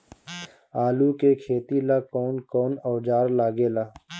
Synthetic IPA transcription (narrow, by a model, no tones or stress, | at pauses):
aːlukekʰeːt̪ilakɔːnkɔːnɔːd͡ʒaːɾlaːɡeːlaː